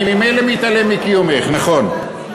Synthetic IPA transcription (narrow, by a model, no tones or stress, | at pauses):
mimejlemeit̪alemikijumeχnaχon